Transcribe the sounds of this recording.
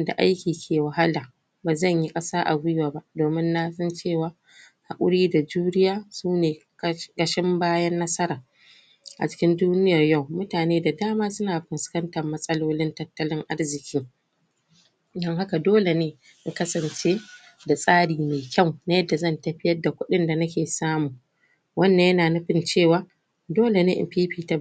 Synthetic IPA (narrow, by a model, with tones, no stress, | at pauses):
nda̰˨ʔa̰˦jkʲiː˨kʲʰeː˨wɐ˨ɦa˦laː˨ | baː˨zɐ˦˨ɲji˦kʼɐ˦saː˦ʔa˨ɡʷʊ˦jwaː˨ba˦ʔdoː˨mɪ˦nːa˦sɐ˦nt͡ʃeː˦˨waː˨ | ha˨kʷʼʊ̰˦ɽiː˦da˨d͡ʒuː˦ɽɪ˦jaː˦suː˦neː˨ | ɡɐ˨ʃɪ˦mbaː˦jɐ˦nːɐ˦sɐ˦ɾaː˨ | ʔa̰˨t͡ʃɪ̥˦kʲɪ˦nduː˦nɪ˦ja˨rja˦˨wmʊ˦taː˨neː˦da˨daː˦maː˦sʊ˦naː˨bɪ˨nskɐ˦ntɐ˨rmːɐ˦sʼɐ˦loː˦lɪ˦ntɐ˦tːɐ˦lɪ˦ŋʔa˦rzɪ˨kʲiː˦ | dɔ˦ŋha˦ka˨doː˦le˨neː˦ | ʔɪ˨kɐ˦sɐ˨nt͡ʃeː˦ | da˨sʼaː˦ɽiː˨meː˨kʲɐ˦˨wna˨˦jɐ˦dːa˨zɐ˦ntɐ˦ɸɪ˦jɐ˦da˨kʷʊ˦ɗɪ˦nda˨nɐ˦kʲeː˨saː˦muː˨ | wɐ˦nːɐ˨jɐ˦naː˨nɐ˦ɸɪ˨nt͡ʃeː˦˨waː˦ | doː˦le˨neː˦ʔɪ̰˨piː˦ɸiː˦ta˨˦